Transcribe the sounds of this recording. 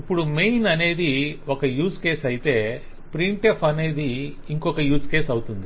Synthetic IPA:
ipːuɽumejnɐne̞ːd̪iokɐjuːske̞ːsɐjit̪e̞ː | pɾiɳʈepʰɐne̞ːd̪i | iŋkɔkɐjuːske̞ːsɐwut̪und̪i

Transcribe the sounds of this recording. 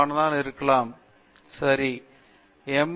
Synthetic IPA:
ɳɐnaːɳiɾukːɐɭaːm | sɐɾi | emː

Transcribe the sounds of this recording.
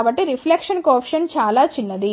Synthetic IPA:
bɐʈːiɾipʰlekʂɐnkɔːpʂɐnt͡ʃaːlaːt͡ʃinːɐd̪i

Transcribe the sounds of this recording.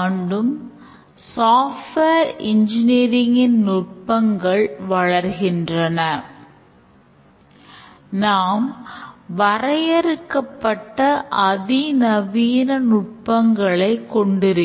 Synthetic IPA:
ɳɖɯm | saːfʈʋeːɾɪɲd͡ʒɪniːɾɪŋɪnnʊʈ̚pɐŋɡɐɭʋɐɭɐɾɣɪndrɐnɐ | naːmʋɐrɐjɐɾɯkːɐpːɐʈːɐʔɐðinɐʋiːnɐnʊʈ̚pɐŋɡɐɭɐɪkːɔɳɖɪɾɯ

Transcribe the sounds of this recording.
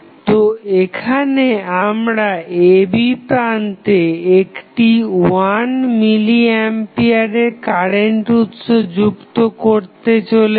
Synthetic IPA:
t̪oekʰaneamɾaebipɾant̪eekʈiwanmiliɛmpiaɾeɾkaɾeɳʈut̪ʃod͡ʑukt̪okoɾt̪et͡ɕole

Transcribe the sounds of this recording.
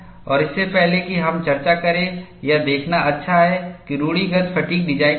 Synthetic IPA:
ɔːɾɪsːepɛɦlekiɦɐmt͡ʃɐɾt͡ʃakɐɾẽjad̪eːkʰnaɐtːʃʰaɦɛkiɾuːɽiɡɐt̪fʰɐʈiːk̚d̪iːd͡ʒaːe

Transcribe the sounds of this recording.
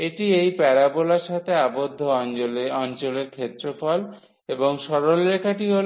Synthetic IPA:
eʈiejpɛɾabolaɾʃat̪ʰeabod̪ʱːoɔɔnt͡ɕoleɾkʰet̪ːɾofɔl | eboŋʃɔɾolːekʰaʈiɦol

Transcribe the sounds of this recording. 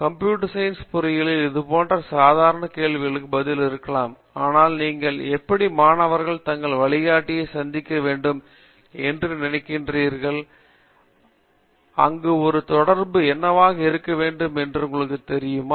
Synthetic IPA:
kɐmpjuːʈɐsɐjnspʊɾɐjɪlɪlɪðɯpoːndrɐsaːðaːɾɐɳɐkeːɭʋɪɣɐɭɯkːɯbɐðɪlɪɾɯkːɐɭaːm | aːnaːlniːŋɡɐɭɛpːɐɽimaːɳɐʋɐɾɣɐɭt̪ɐŋɡɐɭʋɐɭɪɣaːʈːɪjɐɪsɐnd̪ɪkːɐʋeːɳɖɯm | ɛndrɯnɪnɐkːɪndriːɾɣɐɭ | ɐ̰ŋɡɯɔɾɯt̪ɔɽɐɾbɯɛnːɐʋaːɣɐɪɾɯkːɐʋeːɳɖɯmɛndrɯŋɡɯɭɯkːɯt̪ɛɾɪjɯmaː

